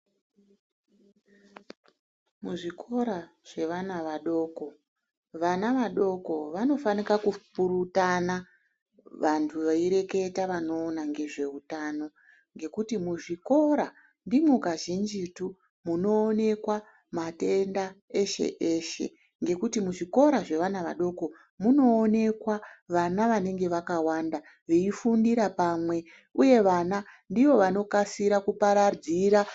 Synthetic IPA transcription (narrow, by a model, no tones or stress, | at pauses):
muʐikʰo̞ɾa | ʐ̥e̞ʋanaʋaɗo̞ːko̞ | ʋanaʋaɗo̞ko̞ʋano̞fanikakupuɾutana | ʋantʰuʋaiɾe̞ke̞taʋano̞ːnaŋɡe̞ʐe̞utano̞ | ŋɡe̞kutimuʐiko̞ɾa | ndimukaʒind͡ʒitu | muno̞ːne̞kwa | mate̞ndae̞ʃe̞̰ʔeʃe̞̰ | ŋɡe̞kutimuʐiko̞ɾaʐe̞ʋanaʋa̰ɗo̞ko̞ | muno̞ːne̞kwaʋanaʋane̞ŋɡe̞ʋakawanda | ʋeifundiɾapaːmwe̞ | uje̞ʋanandiʋo̞ʋano̞kasiɾakupaɾad͡ziɾa